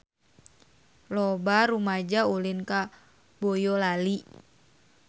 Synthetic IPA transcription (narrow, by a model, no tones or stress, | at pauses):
lɔbaɾumad͡ʒaulɪnka | bojɔlali